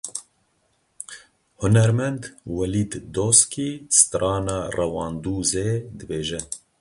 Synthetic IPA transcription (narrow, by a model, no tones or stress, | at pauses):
hʊnɛɾmɛnd̪wɛliːd̪ːoskist̪ɾɑːnɑːrɛwɑːnd̪uːzed̪ɨbeːʒɛ